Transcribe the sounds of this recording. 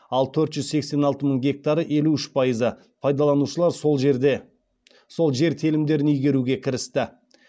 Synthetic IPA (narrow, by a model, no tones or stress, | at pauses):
ɑlˠt̪ʰɵɾt̪ʒ̥ʏzse̞kse̞nɑlˠt̪əməɴɡʲe̞k̚t̪aɾəʔe̞luʏʃpʰɑjəzə | pʰɑjd̪ɑlˠɑnuʃəlˠɑɾ | so̞lˠʒe̞ɾt̪ʰelɪmd̪e̞ɾɪnʏjɡʲe̞ɾuɡʲe̞kʲʰɪɾɪst̪ɪ